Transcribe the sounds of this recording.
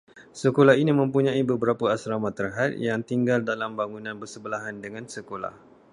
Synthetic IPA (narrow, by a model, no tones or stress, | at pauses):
səkolaɦinĩmə̃mpuɲãibəbəɾapəasɾamat̪ːərɦat̪̚jaŋt̪iŋɡaldalambaŋunãnbərsəbəlaɦandəŋãnsəkola̰h